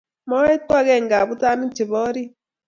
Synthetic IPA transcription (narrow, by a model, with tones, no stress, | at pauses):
mɔ˦e˦twa˦ɣɛ˦˨ŋɡa˨βu˦ta˦ni˦t͡ʃi˨βɔ˦ɾi˦